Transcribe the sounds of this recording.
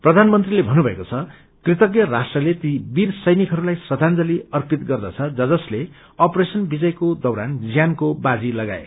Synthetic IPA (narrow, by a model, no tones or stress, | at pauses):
prʌd̪ʱanmʌnt̪rilebʱʌnubʱʌekot͡sʰʌ | krit̪ʌkjʌrasʈrʌlet̪ibirsʌjnikɦʌɾulajsʌd̪ʱand͡zʌliʌrpit̪ɡʌrd̪ʌt͡sʰʌd͡zʌd͡zʌsle | ʌpɾesʌnbid͡zʌjkod̪ʌwɾand͡zjankobad͡zilʌɡa̰ḛ